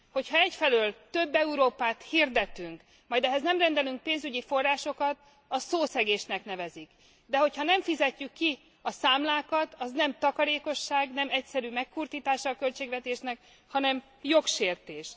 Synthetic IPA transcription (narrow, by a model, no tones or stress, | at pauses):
ho̞chɒɛcfɛløːlt̪øbːɛuɾoːpaːt̪hird̪ɛt̪yŋk | mɒjd̪ɛɦɛznɛmrɛnd̪ɛlyŋk̚peːnzyɟifo̞rːaːʃo̞kɒt̪ | ɒsoːsɛɡeːʃnɛknɛvɛzik | d̪ɛho̞chɒnɛɱfizɛcːykːi | ɒsaːmlaːkɒt̪ɒznɛmt̪ɒkɒɾeːko̞ʃːaːɡnɛmɛcsɛɾymɛkkurt̪iːt̪aːʃɒːkølt͡ʃeːɡvɛt̪eːʃnɛk | hɒnɛm | jo̞kʃeːrt̪eːʃ